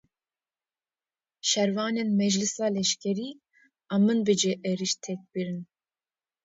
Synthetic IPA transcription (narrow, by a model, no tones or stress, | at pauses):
ʃɛɾvɑːnenmɛd͡ʒlɨsɑːlɛʃkʲʰɛɾiː | ɑmɨnbɨd͡ʒeʔɛɾiʃt̪ʰɛk̚biɾɨn